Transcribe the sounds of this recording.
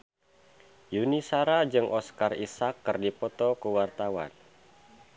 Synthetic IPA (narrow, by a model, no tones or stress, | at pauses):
junisaɾad͡ʒɨŋʔɔskarisakːɨrdipɔt̪ɔkuwart̪awa̰n